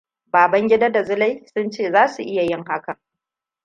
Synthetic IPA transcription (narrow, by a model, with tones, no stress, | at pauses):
baː˨bɐ˦ŋɡʲɪ˦da˦da˨zʊ˦la˦jsʊ˦nt͡ʃeː˦˨zaː˦su˨ʔɪ˦ja˨jɪ˦˨ŋɦa˦kɐ˨